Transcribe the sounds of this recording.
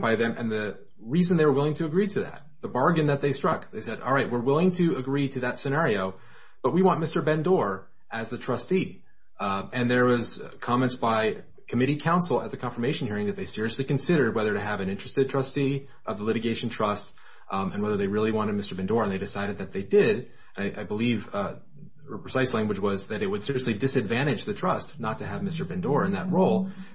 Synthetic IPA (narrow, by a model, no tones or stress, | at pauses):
baɪðɨ̃mʔɨ̰̃nðɨ | ɹizɨ̃n̩ðeɪwə˞wɪlˠɪ̃ŋtʰɨːɡɹiɾɨðæ̰t̪̚ðəbɑɹɡɨ̃nðɨt̪̚ðeɪstɹ̥ʌkðeɪsɛɾɔ̰lˠɹaɪt̚wɪɹwɪlˠɪ̃ŋtʰɨəɡɹiɾɨðɨtsɨnɛɹioʊ | b̥ʌt̚wiwɑ̃nmɪstə˞bɛ̃ndɔɹ | ʔɨzðɨtʰɹ̥ʌsti | ɨ̃nðə˞wʌz̥kʰɑmɛ̃ntsb̥aɪ | kʰɨmɪɾikʰãʊ̃nsl̩ˠə̰t̪̚ðɨkʰɑ̃nfə˞meɪʃn̩hiɹɪ̃ŋðɨt̪̚ðeɪsɪɹiɨslikɨ̃nsɪɾə˞d̚wɛðə˞ɾɨːvɨ̃nɪ̃nt͡ʃɹ̥ɨstɨd̚tʰɹ̥ʌsti | ʔʌvðəlɪɾɨɡeɪʃn̩tʰɹ̥ʌst | ɨ̃nwɛðə˞ðeɪɹɪlˠiwɑ̃ɾ̃ɨd̚mɪstə˞bɛ̃ndɔɹɨ̃nðeɪɾɨsaɪɾɨd̪̚ðɨt̪̚ðeɪdɪɾ | ɨ̃naɪʔaɪbəliv | əpɹ̥ɨsaɪslæ̃ŋɡwɨd͡ʒwʌzðɨɾɨt̚wəd̥sɪɹiɨslidɨsɨdvæ̃ɾ̃ɨd͡ʒðɨtʰɹ̥ʌstnətʰɨɨvmɪstə˞bɛ̃ndɔɹɨ̃nðɨt̚ɹoʊlˠ